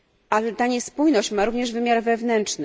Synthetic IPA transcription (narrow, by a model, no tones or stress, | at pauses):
ʔalɛt̪aɲɛspujnɔɕt͡ɕmaɾuvɲɛʐvɘmʲjaɾvɛvnɛntt͡ʂnɘ